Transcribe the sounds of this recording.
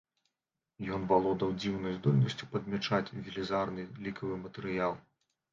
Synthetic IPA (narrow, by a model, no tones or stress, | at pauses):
jɔnbalˠɔd̪ɐwd͡zʲiwnɐjzd̪ɔlʲnɐsʲt͡sʲu̥pɐd̪̚mʲɛt͡ʂat͡sʲvʲilʲizarnɨlʲikɐvɨmɐt̪ɛɾɨjalˠ